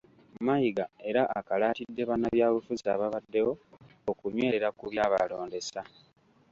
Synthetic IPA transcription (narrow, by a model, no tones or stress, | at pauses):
majiɡae̞ɾaʔakalaːtidːe̞βanaβjaːβufuza̰βaβadːe̞wo̞ː | kuɲwe̞ːɾe̞ɾakuβjaːβa̰lo̞ːnde̞sa